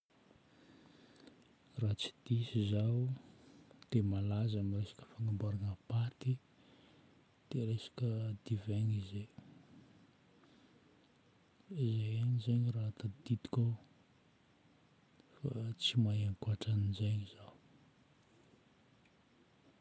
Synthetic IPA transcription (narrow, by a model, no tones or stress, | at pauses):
rat͡si̥d̪̥isizaw | d̪̥emalazamiresḁkə̥faŋambaɾanəpat̪i | d̪̥eɾesḁkʲəd̪̥iveɲize | izejanizeɲirat̪ad̪id̪i̥kʲo | fat͡simajaŋkaʈ͡ʂanizeɲiz̥aw